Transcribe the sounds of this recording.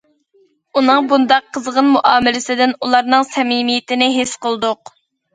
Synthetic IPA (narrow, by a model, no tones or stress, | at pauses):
unɨŋbund̪ɑqʰːəzʁənmuʔɑːmɪlɪsɪd̪ɪnulˠɑɾnɨŋsɛmimijɪt̪ɪnɪɦesqəlˠd̪ʊq